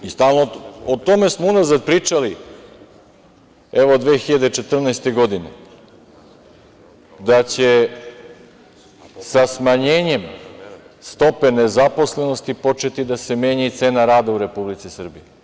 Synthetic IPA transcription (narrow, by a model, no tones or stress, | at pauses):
ist̪aːlˠnoot̪o̞me̞smounazad̪̚pɾiːt͡ʂali | eʋod̪ʋeːxiʎad̪et͡ʃe̞t̪r̩nɛest̪e̞ɡo̞d̪ine̞̰ | d̪at͡ɕe̞ | sasmaɲeːɲe̞m | st̪o̞pe̞ne̞zapo̞sle̞no̞st̪ipo̞t͡ʃe̞t̪id̪ase̞meːɲit̪se̞ːnaɾaːd̪auɾe̞publit̪sisr̩bije